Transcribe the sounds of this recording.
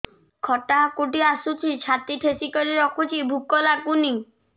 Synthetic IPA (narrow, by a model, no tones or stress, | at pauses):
kʰɔʈakuʈiasut͡ʃʰit͡ʃʰat̪iʈʰesikɔɾiɾɔkʰut͡ʃʰibʱukɔlakuni